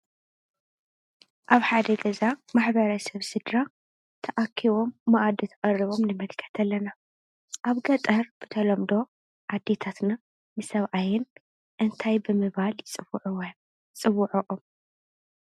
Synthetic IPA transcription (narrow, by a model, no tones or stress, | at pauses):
ʔaβħad̪ɐɡɐzamaħbɐɾɐsɐβsɨd̪ɾa | t̪ʰɐʔakʰiβo̞mːaʔad̪it̪ʰɐʔʼɐriβo̞mnɨmɐlkʰɐ̥t̪ʰɐlːɐna | ʔaβɡɐt̪ʼɐɾb̥ɨt̪ʰɐlɐmd̪o̞ | ʔad̪ːe̞t̪ʰat̪na | nɨsɐβʕajɪn | ʔɨnt̪ʰajbɨmɨβalt͡sʼ | t͡sʼɨβuʕoʔom